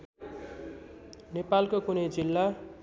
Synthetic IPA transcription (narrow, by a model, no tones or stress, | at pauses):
nepalkokunʌjd͡zilːa